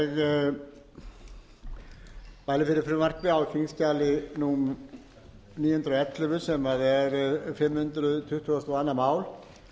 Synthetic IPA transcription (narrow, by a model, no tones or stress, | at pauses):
ɣ | paːjlɪfɪɾɪɾfɪɾʏmar̥kvɪawcʰiŋscaːlɪnu | niːjʏhʏnt̪ɾaɛt̪ːlʏvʏ̥sɛmaðɛɾfɪmːhʏnt̪ɾʏðt̪ʰʏht̪vuast̪ʰuaːnːamaːwl